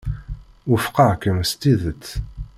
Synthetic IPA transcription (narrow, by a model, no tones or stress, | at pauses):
ʊfqɑkəmst̪iðət͡s̪ː